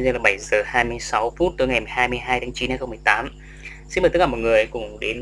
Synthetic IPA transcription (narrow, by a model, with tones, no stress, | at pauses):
zla˨˩ɓa˧˩jzəː˨˩haː˧jmɨ˧əjsa˨˦wfu˦˥t̚t̪ɨː˨˦ŋ˨˩jma˨˩jɦhaː˧jmɨ˧jɦaː˧jt̪ʰaː˨˦ŋt͡ɕi˨˦nha˧jxə˧ŋ͡mmɨ˨˩əjt̪aː˨˦m | si˧nməː˨˩t̪kaː˧˩m̚˨˩ŋɨ˨˩əjkʊ˨˩ŋ͡mɗe˨˦n